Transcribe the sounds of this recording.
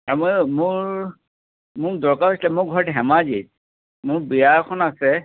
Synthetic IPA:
amojmʊɹ | mʊɹdɔɹkaɹɦojslɛmʊɹɡʱɔɹtiɦɛmazit̚ | mʊɹbiaɹkʰɔnasɛ

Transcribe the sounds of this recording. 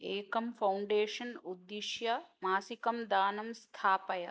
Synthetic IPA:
eːkɐmfɐwɳɖeːʃɐnud̪ːiʃjɐmaːsikɐmd̪aːnɐmst̪ʰaːpɐjɐ̰

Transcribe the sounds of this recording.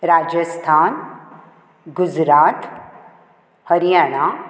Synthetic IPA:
ɾad͡ʒəst̪ʰan | ɡud͡ʑɾat̪ | həɾijana

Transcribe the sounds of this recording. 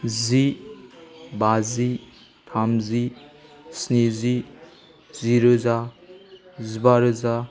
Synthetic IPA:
zi | bazi | t̪ʰamzi | snizi | ziɾoza | zibaɾza

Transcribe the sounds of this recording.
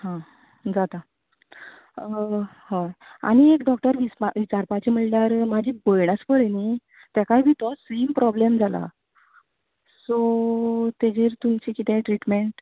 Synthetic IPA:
ɦã | d͡zat̪a | haja̰ñiekɖɔk̚ʈəɾʋiʋit͡ɕaɾpat͡ɕim̤əʈlaɾmad͡ʑʱibəjɳ̃aspəɽni | t̪akajbʱit̪ɔsimpɾɔblemd͡zʱala̰ | so | t̪ed͡ʑiɾt̪umt͡ɕikit̪ẽʈɾiʈmeɳʈ

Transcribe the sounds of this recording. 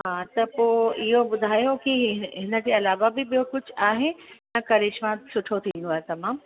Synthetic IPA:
ɦɦaːt̪ɐpoːɪɦobʊd̪ʱaːjokiɦɪnə̆d͡ʑeːɐlaːʋabɪɓijokʊd͡ʑʱaːɦenɐkɐɾeːʃmãsʊʈʰot̪ʰĩːn̆d̪oaːɦet̪ɐmãːm

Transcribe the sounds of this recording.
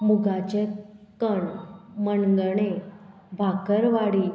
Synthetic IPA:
muɡat͡ɕẽkəɳməɳɡəɳ̃e | bʱakəɾʋaɽiː

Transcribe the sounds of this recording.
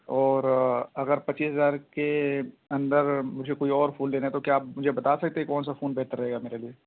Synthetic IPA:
ɔːɾɐɡəɾpɐt͡ʃːiːsɦɐzaːɾke | ɐ̃nd̪əɾmʊd͡ʒʱekoːiɔːɾfoːnleːnet̪okjaːp̚mʊd͡ʒʱebɐt̪aːsɐk̚t̪eɦɛkɔːnsafoːnbɛːʈt̪aɾɐɦeːɡameːɾelie

